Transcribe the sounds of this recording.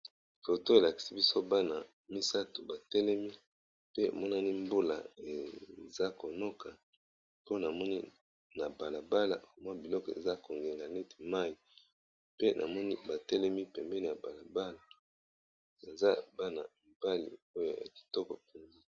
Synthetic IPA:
fo˨to˦e˨la˨ki̥˨si˦bi˦so˦ba˦na˨ | mi˦sa˦tu˨ba˨tɛ˦lɛ˦mi˦ | pḛ˦˨mɔ˦na˦ni˦mbo˦la̰˨e˨za˦ko˨no˦ka˨ | po˦na˨mɔ˦ni˦ | na˨ba˨la˨ba˦la̰˨o˨mwa˦bi˨lɔ˦kɔ˨ḛ˨za˦ko˨ŋɡe˨ŋɡa˨ne˦te̥˨ma˦i˨ | pe˦nʔa̰˨mɔ˦ni˦ba˨tɛ˦lɛ˦mi˦pɛ˨mbɛ˦ni˨ja˨ba˨la˨ba˦la˨ | na˨za˦ba˦na̰˨m˨ba˦lḭ˨o˦jo̰˨ja̰˨ki̥˨tɔ˦kɔ˨pu˨nɡi˦

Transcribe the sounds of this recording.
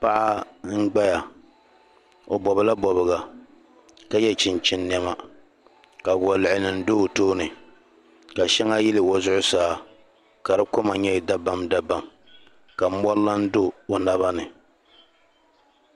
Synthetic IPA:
pa˦ʔa˦ŋ̩˦ɡ͡ba˦ja˨ | o˨bɔ˨bɨ˨la˦bɔ˨bɨ˨ɡa˨ | ka˦jɛ˦t͡ʃɪ˨nt͡ʃɪ˦nːɛ˦ma˦ | ka˨wɔ˨lɪ˨ʔɪ˨nɨ˨n˦do˦˨toː˦nɨ˨ | ka˨ʃɛ˦ŋa˦ji˦lɨ˨wo˦zʊ˦ʔʊ˦saː˦ | ka˨ɾɨ˦ko˦ma˨ɲɛ˦˨da˦ba˦mda˦ba˨m | ka˨˦mɔ˦lla˦n̩˦do˦o˨na˦βa˦nɨ˨

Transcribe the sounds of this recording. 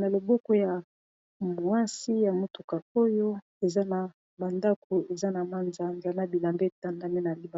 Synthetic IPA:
na˨lo˨bɔ˦ko˦ja˨ | mu˨a˦si˦ja˨mo˦tu˨ka˨o˦jo˦ | e˨za˦na˨ | ba˨nda˦ko˨e˨za˦na˨ma˦nza˨˦nda˨na˦bi˨la˨mbe˦˨ta˦nda˦ne˦na˨li˦ba˨˦

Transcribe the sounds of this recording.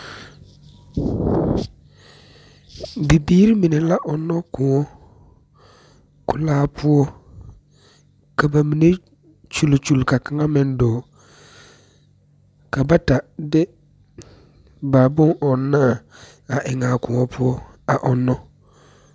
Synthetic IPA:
bɪ˨biː˦ɾi˦mi˨ne˨la˦ʔɔ˨nːɔ˦kʊ˨ŋɔ˦ | kʊ˨laː˦pʰʊ˦ɔ˦ | ka˨ba˨mi˨ne˦ | t͡ʃu˨lt͡ʃu˨lka˨ka˦ŋa˦mɪ˨ndɔː˨ | ka˨ba˦ta˨dɪ˦ | ba˨bʊ˦ŋʔɔ˨nːa˦˨ | a˨ʔɪ˨ŋaː˨kʊ˨ŋɔ˦pʰʊ˦ɔ˦ | a˨ʔɔ˨nːɔ˦

